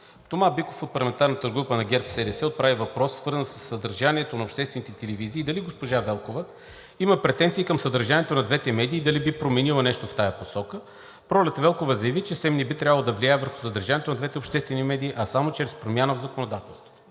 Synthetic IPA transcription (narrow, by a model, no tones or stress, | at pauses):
t̪omabikofot̪̚plˠɐmɛnt̪aɾnət̪əɡɾupənɐɡʲɛɾpsɛɾɛsɛot̪̚pɾavivɐpɾɔsːvɤɾzənsəsːəd̪əɾʒaniɛt̪onɐopʃt̪ɛst̪vɛnit̪ɛt̪ɛlɛviziːd̪ɐliɡospoʒavɛlˠkovə | iməpɾɛt̪ɛnt̪siːkəmsɐd̪ɐɾʒaniɛt̪onɐd̪vɛt̪ɛmɛd̪iːd̪ɐlibipɾomɛnilˠənɛʃt̪oft̪ajɐposɔkə | pɾɔlɛt̪vɛlˠkovəzɐjɐvit͡ʃɛsɛmnibit̪ɾʲavəlˠd̪ɐvliajɛvəɾxu̥səd̪ɐɾʒaniɛt̪onɐd̪vɛt̪ɛopʃt̪ɛst̪vɛnimɛd̪iːʔɐsamot͡ʃɾɛspɾomʲjanəvzɐkonod̪at̪ɛlˠst̪vo̥tv